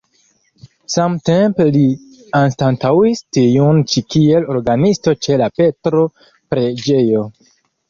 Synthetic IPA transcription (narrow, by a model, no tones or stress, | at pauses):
samte̞mpeli | anstantawistijunt͡ʃikie̞lo̞ɾɡanisto̞t͡ʃe̞lape̞tɾo̞ | pɾe̞d͡ʒejo̞